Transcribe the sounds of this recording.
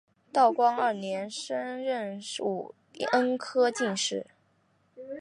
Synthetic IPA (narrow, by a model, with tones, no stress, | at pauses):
t̪ɑ˥˩ʊkwɑ˥ŋə˞˥˩njɛ˧˥nʂə˥nɻə˥˧nʂṵ˥˩ | ə˥nkʰɤ˥t͡ɕi˥˧ŋʂɻ̩˥˩